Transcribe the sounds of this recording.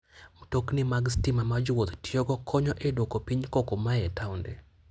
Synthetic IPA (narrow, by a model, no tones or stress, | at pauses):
mtoknɪmaɡstɪmamad͡ʒwot̪tjoɡɔkʰɔɲɔʔedokopiɲkokomaɛtawndɛ